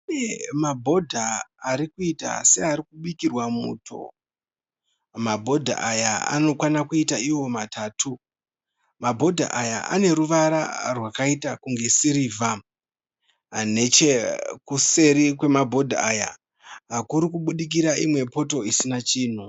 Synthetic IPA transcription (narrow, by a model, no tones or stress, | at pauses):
emabʱo̞dʱaːɾikuita̰se̞aɾikuɓikirwamṵːtʰo̞̰ | mabʱo̞dʱa̰ʔajaa̰no̞kwanakuitaiwo̞matʰaːtʰu | mabʱo̞dʱa̰ʔaja̰ʔa̰ne̞ɾuʋaɾa̰rwakaitakuŋɡe̞siɾiːvʱa | ɦane̞t͡ʃe̞kuse̞ɾikwe̞mabʱo̞dʱaaja̰ | ɦakuɾikuɓuɗik̬iɾaimwe̞po̞to̞isinat͡ʃiːn̤u